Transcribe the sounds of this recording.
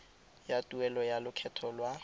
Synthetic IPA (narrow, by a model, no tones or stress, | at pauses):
jatʼuɛlɔjalʊkʰɛtʰɔlwa